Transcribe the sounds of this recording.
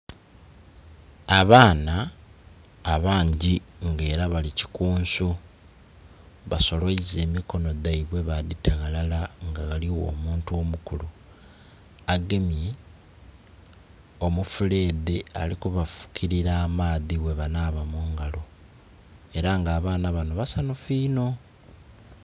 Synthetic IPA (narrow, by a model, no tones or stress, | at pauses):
aβaːnaː | βaːɲɟiŋɡe̞ːɾaβalici̥kuːnsu | βaso̞lo̞ize̞ːmiko̞no̞daiβwe̞βaðitaɣalalaŋɡaɣaliwo̞̰muːntuo̞mukulu | aɡe̞mje̞ | o̞mufule̞ːdea̰likuβafu̥kʰiɾiɾaːmaːðiβwe̞βanaːβamuːŋɡalo̞ | e̞ɾaŋɡaːβaːnaβanoβasanofiːno̞